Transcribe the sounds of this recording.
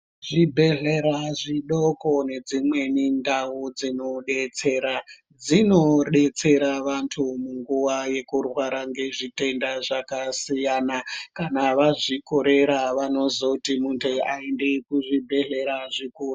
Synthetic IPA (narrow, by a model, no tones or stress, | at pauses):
ʐ̥ibʱe̞ɮeɾaʐiɗoko̞ne̞d͡zimwe̞nindawud͡zinoɗet͡se̞ɾa | d͡zino̞ɗe̞t͡se̞ɾaʋantʰumuŋɡuʋaje̞kurwaɾaŋɡe̞ʐite̞ndaʐakasijanakanaʋaʐiko̞ɾe̞ɾaʋano̞zotimuntʰeaendekuʐibʱe̞ɮe̞ɾaʐikuːru